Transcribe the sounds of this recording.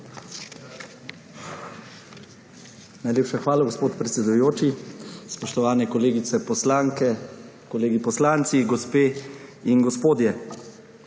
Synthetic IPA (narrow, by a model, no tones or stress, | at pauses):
najleːpʃaxʋaːlaɡospoːt̪pɾɛt̪sɛd̪ujoːt͡ʃispɔʃt̪ɔʋaːnɛkɔleːɡit̪sɛpɔslaŋkɛ | kɔleːɡipɔslaːnt̪siɡɔspeːinɡɔspoːd̪jɛ